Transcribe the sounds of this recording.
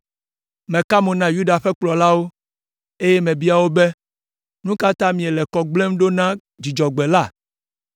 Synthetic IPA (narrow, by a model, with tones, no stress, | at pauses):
mɛ̃˨ka˦mõ˨nã˦ju˦ɖa˨ɸɛ˦k͡plɔ˨la˦wo˦ | e˦jɛ˦mɛ̃˨bi˦a˨wo˦bɛ˦ | nũ˦ka˦t̪ã˦mĩ˨ɛe˨lɛ˨kɔ˨ɡ͡ble˦m˦ɖo˦nã˦ | d͡ʑi˨d͡ʒɔ˨ɡ͡bɛ˨la˦˨